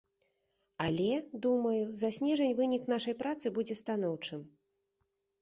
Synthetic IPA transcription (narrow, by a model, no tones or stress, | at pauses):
alʲɛd̪umɐjuzasʲnʲɛʐɐnʲvɨnʲiknaʂɐjpɾat̪sɨbud͡zʲɛst̪anɔwt͡ʂɨm